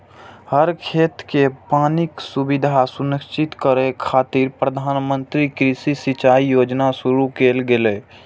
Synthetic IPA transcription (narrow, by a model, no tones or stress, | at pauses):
həɾkʰeːt̪kepaːnɪksubɪd̪ʱasʊnəkt͡ʃɪt̪kəɾekʰaːt̪iɾpɾəd̪ʱaːnmə̃nt̪ɾikɾisisɪt͡ʃaːijoːd͡ʒnasʊɾukeːlɡeleː